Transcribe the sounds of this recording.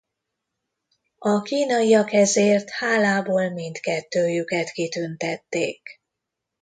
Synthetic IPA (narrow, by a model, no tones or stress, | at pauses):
ɒkiːnɒijɒkɛzeːrt̪haːlaːboːlmint̪kɛt̪ːøːjykɛt̪kit̪ynt̪ɛt̪ːeːk